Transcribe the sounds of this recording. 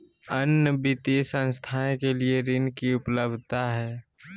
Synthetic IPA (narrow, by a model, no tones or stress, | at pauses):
ənːəbit̪isə̃nst̪ʰaẽkelieɾɪnkiʊpləbd̪ʱt̪aɦɛː